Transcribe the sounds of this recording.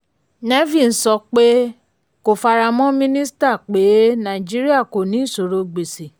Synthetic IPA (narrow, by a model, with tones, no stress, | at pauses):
ne˦vi˦˨n̩˦sɔ˧˦k͡pe˦ | ko˨fa˧ɾa˧mɔ̃˦mĩ˦nĩ˦sta˦˨k͡pe˨˦nã˨d͡ʒi˦ɾi˦a˦˨ko˨nĩ˨˦˨so˨ɾo˧ɡ͡be˨si˨